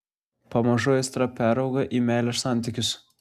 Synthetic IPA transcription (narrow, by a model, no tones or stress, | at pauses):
pɐmɐʒoːjɪst̪ɾɐpʲæːɾɐʊɡɐʔiːmʲæˑɪlʲɛʃsɑˑnʲˑt̪ʲɪkʲʊs